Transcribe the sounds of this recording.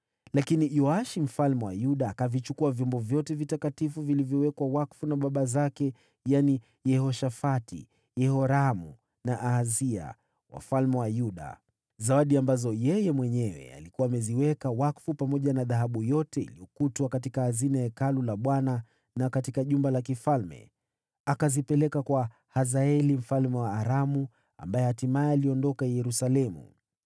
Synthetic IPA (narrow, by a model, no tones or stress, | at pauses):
lakinijɔaʃim̩falmɛwa̰juɗaːkavit͡ʃukuavjɔmbɔvjɔtɛvitakatifuvilivjɔwɛkwawakfunaɓaɓazakɛ | jani | jɛhɔʃafatḭ | jɛhɔɾamṵ | naʔazia̰ | wa̰falmɛwajuɗa̰ | zawaɗiambazɔjɛjɛmwɛɲɛwɛ̰a̰likuwaːmɛziwɛkawakfupamɔʄanaðaɦaɓujɔtɛḭliɔkutwakatikahazinaɛkalulaɓwana | nakatikaʄumbalakifalmɛ̰ | akazipɛlɛkakwa | hazaɛlim̩falmɛwaːɾamu | a̰mbajɛhatimaɛaliɔndɔkajɛɾusalɛmṵ